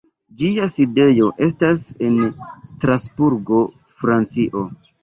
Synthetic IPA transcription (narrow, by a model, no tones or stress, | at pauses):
d͡ʒiaside̞jo̞ʔe̞s̬tasenstɾasbuɾɡo̞ | fɾant͡siʔo̞